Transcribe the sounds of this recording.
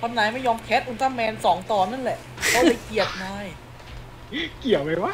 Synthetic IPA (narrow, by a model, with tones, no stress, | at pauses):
kʰɔ˧nːa˨˩˦jma˥˩jːɔː˧mkʰɛː˦˥t̪̚ʔu˧nt̪aː˧˥˩mɛː˧nsɔː˩˦ŋt̪ɔː˨˩na˥˩nlɛ˨˩ʔla˧˥˩pa˧jki˨˩ət̪̚nɔː˧˥j | ki˨˩əwma˧jwaː˦˥˩